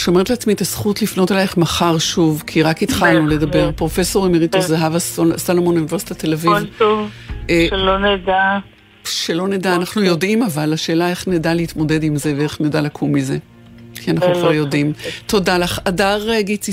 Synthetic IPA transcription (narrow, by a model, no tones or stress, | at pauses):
ʃo̞metleat͡smit̪asχutlifno̞telaeχmaχaʁʃuvkʰiʁakitχalnule̞dɐbe̞ʁpʁo̞feso̞ʁimeʁitozaɦavassalomonjuniveʁsi̥tatelavivov | eloneda | ʃelo̞nedaːnaχnujo̞dimavalaʃe̞ːlae̞χnedaleitmo̞de̞dimze̞veeχnedalakʰumːize̞ | kʰianaχnukvaʁjo̞dimto̞dalaχadaʁeɡit͡si